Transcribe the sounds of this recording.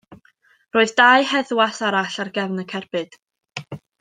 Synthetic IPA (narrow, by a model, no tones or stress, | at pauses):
roːɨðdaɨhɛðwasaɾaɬarɡɛvnəkʰɛrb̥ɨd̥